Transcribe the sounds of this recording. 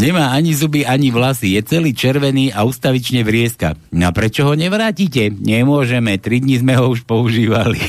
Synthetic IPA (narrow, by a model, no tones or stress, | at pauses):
ɲɛmaːaɲizubiʔaɲiʋlasijɛt͡sɛliːt͡ʃɛɾʋɛniːaust̪aʋit͡ʃɲɛʋɾɪɛska̰napɾɛt͡ʃɔɦɔɲɛʋɾaːcicɛɲɛmʊɔʒɛmɛt̪ɾid̪ɲizmɛɦɔuʃpɔuʒiːʋalḭ